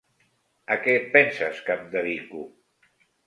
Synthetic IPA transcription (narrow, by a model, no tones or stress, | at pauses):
akɛpɛnsaskamd̪əðiku